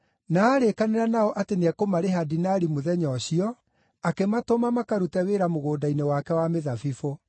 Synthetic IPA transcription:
naːɾekaneɾanaɔʔatenɛkomaɾeɦadinaɾimoðɛɲɔɕiɔ | akematomamakaɾutɛweɾamoɣoːdainewakɛwameðafifo

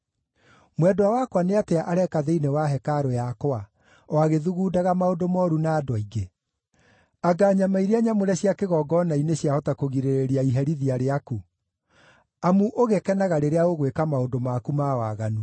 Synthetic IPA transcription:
mwɛdowawakwaneateaʔaɾɛkaðeinewaɦɛkaɾojakoa | waɣeðuɣuːdaɣamaodomɔːɾunaːdwɔiɡe | aɡaːɲamaiɾeaɲamoɾɛɕjakeɣɔːɡɔnaineɕjahɔtakoɣiɾeɾeɾiaiɦɛɾiðiaɾeaku | amuʔoɣekɛnaɣaɾeɾeaɣoɣwekamaondomakumawaɣanu

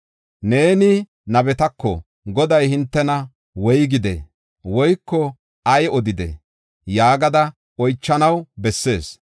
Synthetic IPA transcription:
ne̞ːnɪ | nɐbɛt̪ɐkːɔ̰ | ɡɔd̪ɐjhɪnt̪ːɛnɐ | wɔjɡɪd̪ḛ | wɔjkːɔ | ɐjɔd̪ɪd̪ɛ̰ | jaːɡɐd̪ɐ | ɔjt͡ʃːɐnɐwbɛsːe̞ːs

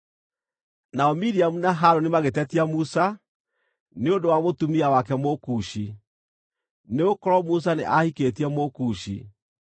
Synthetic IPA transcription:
naɔmiɾiamunaɦaɾonimaɣetɛtiamusa | neondowamotumiawakɛmokuɕi | neokɔɾɔmus̬aneʔahiketiɛmokuːʃḭ

